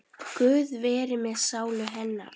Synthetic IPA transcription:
kʏːðvɛːɾɪmɛðsaːwlʏɦɛnːa̰ɾ̥

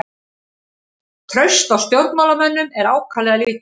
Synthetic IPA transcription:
t̪ʰɾœɥst̪awst̪jowɾt̪mawlamɛnːʏmɛɾaːwkʰaːlɛɣalɪːt̪

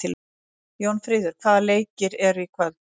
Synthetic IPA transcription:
ɪl | jownfɾɪːðʏɾ̥kʰvaːðaleːjcɪɾɛɾikʰvaːð

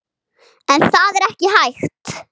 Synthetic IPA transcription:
ɛnθaːðɛɾɛhcɪhajxt̪

